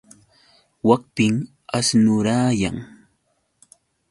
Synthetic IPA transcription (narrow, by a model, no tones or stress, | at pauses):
wak̚pɪŋ | asnʊɾaːja̰ŋ